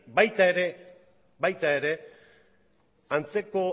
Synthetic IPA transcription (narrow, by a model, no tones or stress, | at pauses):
bajt̪aeɾe̞ | bajt̪ae̞ɾe̞ | ant͡se̞ko̞